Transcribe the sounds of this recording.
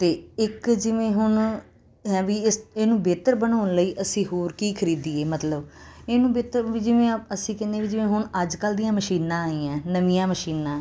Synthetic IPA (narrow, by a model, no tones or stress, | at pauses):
t̪eːɪkd͡ʒɪʋẽːɦʊɳ | ɦɛ̃ːʋiːɪseːnũːbeːt̪əɾbənoːnləiːʔəsĩːɦoːɾkiːkʰəɾiːd̪iːeːmət̪ləbeːnũːbeːt̪əɾʋiːd͡ʒɪʋẽːəsĩːkɛ̃ːnd̪ẽːʋiːd͡ʒɪʋẽːɦʊɳəd͡ʒkəld̪ijãːməʃiːnãːaːiːãːnəʋɪjãːməʃiːnãː